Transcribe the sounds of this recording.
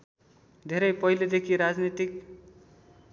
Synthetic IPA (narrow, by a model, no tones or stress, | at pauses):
d̪ʱeɾʌjpʌɦjled̪ekʰiɾad͡znit̪ik